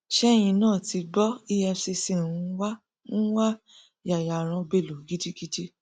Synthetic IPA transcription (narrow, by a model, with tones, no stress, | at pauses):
ʃɛ˦j̃ĩ˧nãː˦˨ti˧ɡ͡bɔ˦i˦ɛ˧si˧sẽ˦˨ũ˧˦wa˦ | ñ̩˦wa˦ | ja˨ja˨ɾ̃ã˧be˨lo˨ɡi˦ti˦ki˦ti˦